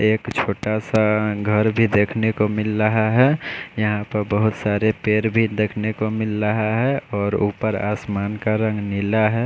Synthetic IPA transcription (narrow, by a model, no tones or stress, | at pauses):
eːkt͡ʃʰoːʈasaɡʱəɾbʱid̪eːkʰnekomɪlɾəɦaɦɛjəɦãpəɾbəɦʊt̪saːɾepeːɾbʱid̪eːkʰnekomɪlɾəɦaɦɛɔːɾuːpəɾa̰ːsmaːnkaɾə̃ŋɡnɪlaɦɛ